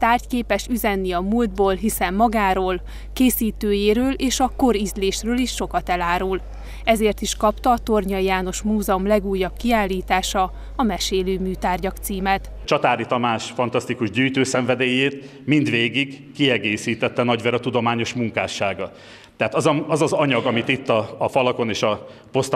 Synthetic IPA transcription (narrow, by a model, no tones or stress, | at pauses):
t̪aːrckeːpɛʃyzɛnːiɒmuld̪̚boːlɦisɛmːɒɡaːɾoːl | keːsiːt̪øːjeːɾøːleːʃɒko̞ɾizleːʃrøːliʃːo̞kɒt̪ɛlaːɾul | ɛzeːrt̪iʃkɒpt̪ɒːt̪o̞rɲɒjaːno̞ʃmuːzɛomlɛɡuːjːɒb̚kiaːlːiːt̪aːʃɒ | ɒmɛʃeːløːmyːt̪aːrɟɒkt̪siːmɛt̪ | t͡ʃɒt̪aːɾit̪ɒmaːʃfɒnt̪ɒst̪ikuʒɟyːjt̪øːsɛɱvɛd̪eːjeːt̪ | mind̪veːɡiɡkiɛɡeːsiːt̪ɛt̪ːɛnɒɟvɛɾɒt̪ud̪o̞maːɲo̞ʃmuŋkaːʃaːɡɒ | t̪ɛɦaːt̪ɒzɒɒzɒzɒɲɒɡɒmit̪it̪ːɒːfɒlɒko̞neːʃɒ | po̞st̪